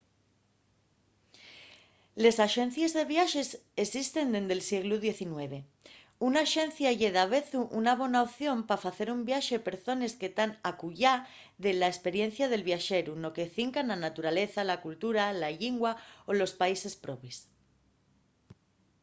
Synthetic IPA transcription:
le̞saʃe̞n̟θjezðe̞βjaʃe̞sesist̪e̞nd̪e̞nd̪e̞lsjeɣluð̞je̞θinwe̞β̞e̞ | unaʃẽ̞n̟θjaʝeðaβ̞e̞θuʔunaβ̞o̞naoθjo̞mpafaθe̞ɾumbjaʃe̞pe̞ɾθo̞ne̞ske̞t̪anakuʝa | ðe̞laespe̞ɾje̞n̟θjaðe̞lβjaʃe̞ɾuno̞ke̞θiŋkananat̪uɾale̞θalakult̪uɾalaʎiŋɡwaolo̞spaise̞spɾo̞pis

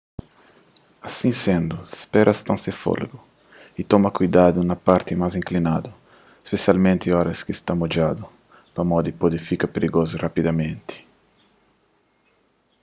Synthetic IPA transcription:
asĩsẽnd̪ʊspɛɾʔɐst̪ãsefo̰lɡʊ | it̪ɔmɐkujd̪ad̪ʊnɐpaɾt̪ɪmazĩŋklinad̪ʊ | espesjalmẽnt̪ɪɔɾɐskɪst̪amod͡ʒad̪ʊ | lamɔd̪ɪpod̪ɪfikɐpeɾiɡozɪrapid̪amẽnt̪ɪ̥

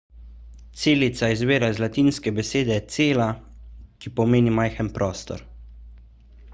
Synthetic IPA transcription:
t̪seːlit̪saizʋeːɾazlat̪iːnskɛbɛseːd̪ɛt̪seːlakipɔmeːnimajxənpɾʔɔːst̪ɔ̰ɾ

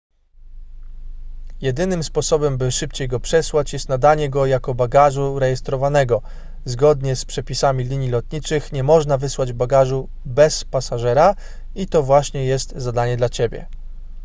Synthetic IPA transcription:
jɛd̪ɘnɘmspɔsɔbɛmbɘʂɘpt͡ɕejɡɔpʂɛswat͡ɕjɛst̪nad̪aɲɛɡɔjakɔbaɡaʐuɾɛjɛst̪ɾɔvanɛɡɔ | zɡɔd̪ɲɛspʂɛpʲisamʲilʲiɲjilɔt̪̚ɲit͡ʂɘxɲɛmɔʐnavɘswad͡ʑbaɡaʐu | bɛspasaʐɛɾa | it̪ɔvwaɕɲɛjɛst̪zad̪aɲɛd̪lat͡ɕebʲjɛ̰

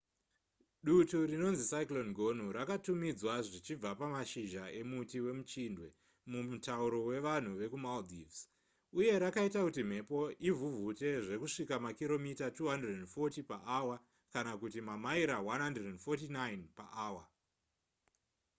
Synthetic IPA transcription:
ɗuturino̞nzisaiklo̞nɡʱo̞n̤uɾakatumid͡zwaʐit͡ʃib͡vapamaʃiʒae̞mutiwe̞mut͡ʃindwe̞ | mumutauɾo̞we̞ʋan̤uʋe̞kumaldivs | uje̞ɾakaitakutim̤e̞po̞ʔivuvʱute̞ʐe̞kuʂikamakiɾo̞mitatuːɦandredenfotipaʔawa | kanakutimamaiɾawanɦandredendfotinajnpaʔaːwa

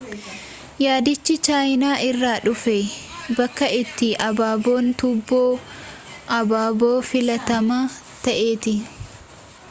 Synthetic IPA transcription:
jaːd̪ɪt͡ʃːɪt͡ʃaːjnaːʔɪrːaːᶑʊfebɐkːɐɪt̪ːɪʔɐbaːbo̞ːnt̪ʊbːoː | ʔɐbaːbo̞ːfɪlɐt̪ɐmaː | t̪ɐʔe̞ːt̪ɪ

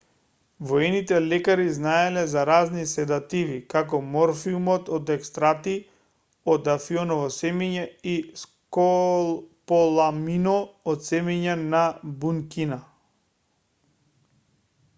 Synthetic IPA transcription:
vɔɛnit̪ɛlɛkaɾiznaɛlɛzaɾaznisɛd̪at̪ivikakɔmɔɾfiumɔt̪ɔd̪ɛkst̪ɾat̪i | ɔd̪afiɔnɔvɔsɛmiɲaisko | polˠaminɔːt̪sɛmiɲanabuŋkina

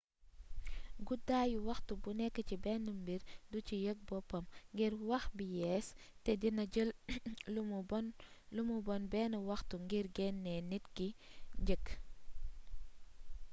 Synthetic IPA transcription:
ɡudaːjuwɐxtubunɛkːət͡ʃibɛnəmbiɾdut͡ʃijək̚bɔpɐmŋɡiɾwɐxbijɛs | tɛdinɐɟəlumunlumubɔnbɛnəwɐxtuŋɡiɾɡɛnːɛnitkiɟək

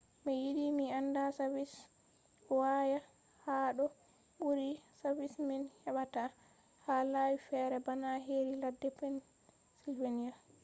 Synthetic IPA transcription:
mɛjiɗimiandasavis | waja | haːɗɔ | ɓuɾisavisminhɛɓata | halawifɛɾɛbanaɦeɾiladːɛpɛn | silvenija

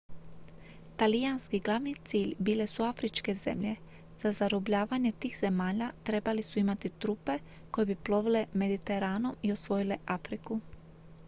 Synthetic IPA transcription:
t̪alijanskiɡlˠaʋnit̪siːʎbiːle̞suafɾit͡ʃke̞ze̞̰mʎe̞ | z̥azaɾobʎaːʋaɲe̞t̪iːxz̥e̞maːʎat̪ɾe̞balisuimat̪it̪ɾupe̞ | ko̞jebiplo̞ʋile̞me̞d̪it̪e̞ɾaːno̞mio̞sʋo̞jile̞ʔafɾiku

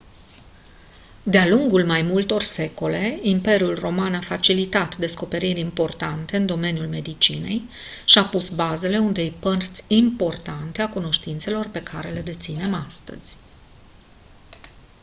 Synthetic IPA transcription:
d̪ealuŋɡulmajmult̪o̞rse̞ko̞le̞impe̞ɾjulro̞manafat͡ʃilit̪at̪d̪e̞sko̞pe̞ɾirʲimpo̞rt̪ant̪e̞ɨnd̪o̞me̞njulme̞d̪it͡ʃine̞̰j | ʃiapusbaze̞le̞und̪e̞jpərt̪sʲimpo̞rt̪ant̪eakuno̞ʃt̪int̪se̞lo̞rpe̞kʰaɾe̞le̞d̪e̞t̪sine̞mast̪ə̰z̥ʲ

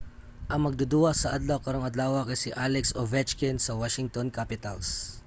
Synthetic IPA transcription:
ʔɐŋmɐɡ̚d̪ʊd̪uɐsɐʔɐd̪lɐwkɐɾoŋɐd̪laːwɐkɐjsiʔalɛksovɛt͡ʃkɛnsɐwaʃɪŋt̪onkapɪt̪ɐls

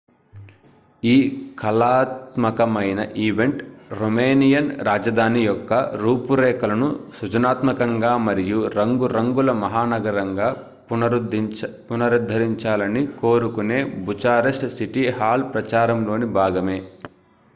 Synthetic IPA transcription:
iːkʰɐlaːt̪mɐkɐmɐjnɐ̰ʔiːʋe̞ɳʈɾomeːnijɐnɾaːd͡ʒɐd̪ʱaːnijɔkːɐɾuːpuɾɛːkɐlɐnusud͡ʒɐnaːt̪mɐkɐŋɡaːmɐɾijuɾɐŋɡuɾɐŋɡulɐmɐɦaːnɐɡɐɾɐŋɡaː | punɐɾud̪ʱːɐɾiɲt͡ʃaːlɐniko̞ːɾukune̞ːbut͡ʃaːɾesʈsiʈihaːlpɾɐt͡ʃaːɾɐmlo̞ːnibʱaːɡɐme̞ː

